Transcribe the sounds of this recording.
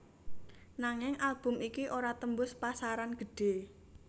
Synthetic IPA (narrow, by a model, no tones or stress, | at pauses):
naŋɪŋʔalb̥ʊ̤mikiʔoɾat̪əmbʊspasaɾanɡ̥ə̤ɖ̥e̤